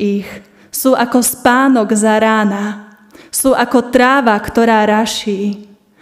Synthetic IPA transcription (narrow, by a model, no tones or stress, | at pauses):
ix | suːʔakɔspaːnɔɡzaɾaːna | suːʔakɔt̪ɾaːʋakt̪ɔɾaːɾaʃiː